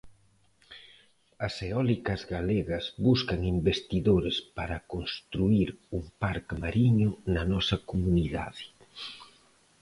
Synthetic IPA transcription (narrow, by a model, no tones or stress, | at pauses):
ɐseɔlikɐzɣaleɣɐzbuskɐŋimbest̪iðoɾespaɾɐkonst̪ɾuiɾumpaɾkmaɾiɲʊnɐnɔsɐkomuniða̰ðɪ̥